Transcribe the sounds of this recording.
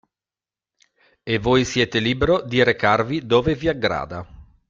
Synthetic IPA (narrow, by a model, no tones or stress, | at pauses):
evːoːjsjɛːt̪eliːbeɾod̪iɾekarvid̪oːveviaɡɾa̰ːd̪a